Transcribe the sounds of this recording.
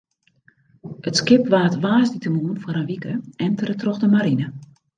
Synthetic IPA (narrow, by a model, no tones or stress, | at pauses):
ətskɪpʋaːtʋaːzditəmuənfwaəɾənʋikəɛntərətroxdəmaɾinə